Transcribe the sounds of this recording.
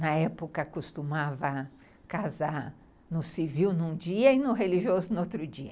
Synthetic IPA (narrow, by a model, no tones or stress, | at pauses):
nɐɛpokɐkost̪umavɐ | kazaɾ | nʊsiviwnũd͡ʒiɐɪnʊɦeliʒiozʊnot̪ɾʊd͡ʒiɐ